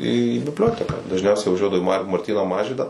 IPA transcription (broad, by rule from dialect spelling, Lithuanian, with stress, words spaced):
iː bʲɪbʲˈlʲoːtʲɛkɑː dɐʒʲˈnʲɛʊsʲɛɪ ʋɐˈʒʲuɔdɐʋɐʊ iː mɐr mɐrʲˈtʲiːnoː ˈmɑːʒʲʋʲiːdoː